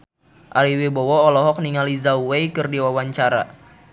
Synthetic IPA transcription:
ʔaliwebɔwɔːlɔɦɔk̚niŋalizauwejkɨrdiwawaɲt͡ʃaɾa̰

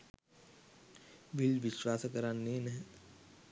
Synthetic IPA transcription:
ʋilʋiʃʋaːsəkəɾanːeːnɛɦɛ̃

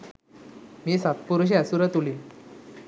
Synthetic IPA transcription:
miːsat̪̚puɾuɕ̬iasuɾət̪uli

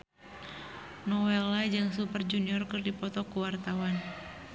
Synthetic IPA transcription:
nɔwɛlad͡ʒaŋsupərd͡ʒuniɔrkɨrdipɔt̪ɔkuwart̪awan

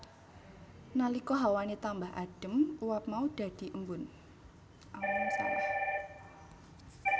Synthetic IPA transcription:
nalikɔɦawanet̪ambaɦa̰ɖ̥ə̤muwap̚maud̪̥ä̤d̪̥i̤ʔəmbʊn | ʔawʊŋsalah

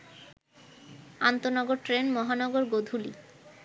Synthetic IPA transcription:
ant̪onɔɡoɾʈɾenmɔɦanɔɡoɾɡod̪ʱuli

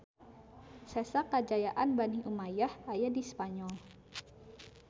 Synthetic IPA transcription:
sɛsakad͡ʒajaʔanbaniʔumajahajadispaɲɔl

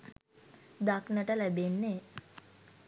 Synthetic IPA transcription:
d̪aknəʈəlæbenːe

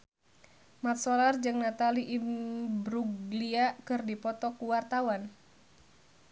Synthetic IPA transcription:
mat̪̚sɔlard͡ʒɨŋnat̪aliʔibɾuɡliakɨrdipɔt̪ɔkuwart̪awan

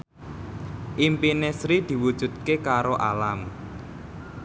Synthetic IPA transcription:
ʔimpinesɾid̪̥i̤wud̥ʒ̥ṳt̪̚kekaɾoʔalam

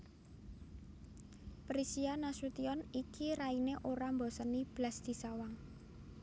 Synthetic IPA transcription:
pɾisianasut̪iɔnikʰiɾaineʔoɾambɔsənib̥lasd̪̥isawaŋ

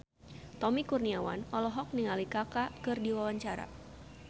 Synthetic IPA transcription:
t̪ɔmikurniawa̰nɔlɔɦɔk̚niŋalikakakɨrdiwawaɲt͡ʃaɾa̰

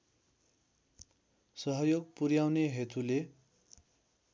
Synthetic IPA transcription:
sʌɦʌjoɡpurjawneɦet̪ʰule

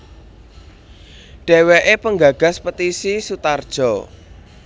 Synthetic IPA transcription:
ɖ̥eɛ̤weʔepəŋɡa̤ɡ̥a̤spət̪isisut̪ard̥ʒ̥ɔ

